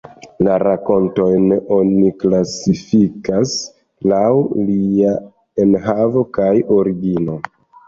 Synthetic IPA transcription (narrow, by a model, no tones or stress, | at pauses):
laɾako̞nto̞jno̞niklasifikas | lawlia | enɦavo̞kajo̞ɾiɡino